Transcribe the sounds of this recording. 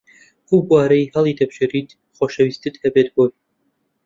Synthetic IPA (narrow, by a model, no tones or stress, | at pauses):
ʔuːbwaːɾɐjhɐlˠid̪ɐbʒɨɾit̪ | χoʃɐwist̪ɨd̪hɐbet̪̚boj